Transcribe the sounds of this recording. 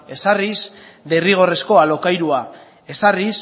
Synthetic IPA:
e̞sarisd̪e̞riɣ̞o̞re̞sko̞alo̞kajɾua | e̞saris

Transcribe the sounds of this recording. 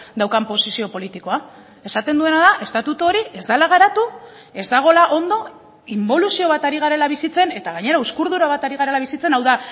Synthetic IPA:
d̪awkampo̞sisio̞po̞lit̪iko̞a | e̞sat̪e̞nd̪ue̞naðaʔe̞st̪at̪ut̪uo̞ɾie̞zd̪alaɣ̞aɾat̪u | e̞zd̪aɣ̞o̞laʔo̞nd̪o̞ | imbo̞lusio̞β̞at̪aɾiɣaɾe̞laβ̞isit͡se̞ne̞t̪aɣ̞aɲe̞ɾauskuɾðuɾaβ̞at̪aɾiɣaɾe̞laβ̞isit͡se̞nawða

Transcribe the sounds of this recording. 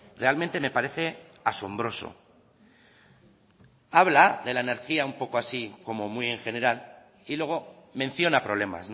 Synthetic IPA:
re̞almẽnt̪e̞me̞paɾe̞θe̞aso̞mbɾo̞so̞̰ | aβlaðe̞laene̞ɾxiaumpo̞ko̞asiko̞mo̞muie̞ŋxe̞ne̞ɾal | ilwe̞ɣ̞o̞mẽ̞n̟θjo̞napɾo̞β̞le̞ma̰sn

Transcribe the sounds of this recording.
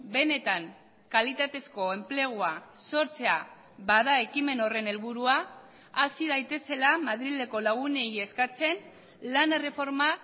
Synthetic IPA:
be̞ne̞t̪aŋ | kalit̪at̪e̞sko̞e̞mple̞ɣ̞uaso̞ɾt͡se̞a | baðae̞kime̞no̞re̞ne̞lβuɾuaː | siðajt̪e̞se̞lamaðɾile̞ko̞laɣune̞ie̞skat͡se̞n | lanere̞fo̞ɾma

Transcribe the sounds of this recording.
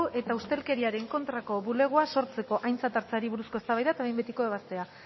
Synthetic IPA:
ʔe̞t̪aust̪e̞lke̞ɾiaɾe̞ŋko̞nt̪ɾako̞βule̞ɣ̞uaso̞ɾt͡se̞ko̞ʔajnt͡sat̪aɾt͡saɾiβuɾusko̞est̪aβajðaet̪aβejmbe̞t̪iko̞eβ̞ast̪e̞a

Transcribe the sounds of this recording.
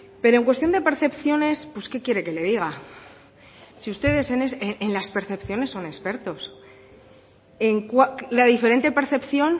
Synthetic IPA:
pe̞ɾoeŋkwet̪jo̞nd̪e̞pe̞ɾθe̞pθjo̞ne̞spwe̞ske̞kje̞ɾe̞ke̞le̞ðiɣ̞a | siust̪e̞ðe̞seneseenlaspe̞ɾθe̞pθjo̞ne̞sːo̞nespe̞ɾt̪o̞s | eŋkwalaðife̞ɾe̞nt̪e̞pe̞ɾθe̞pθjo̞n

